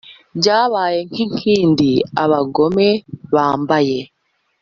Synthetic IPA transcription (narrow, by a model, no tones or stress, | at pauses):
ɲɟaːβaːjeŋkiŋkʰiːndia̰βaɡomeβaːmbaje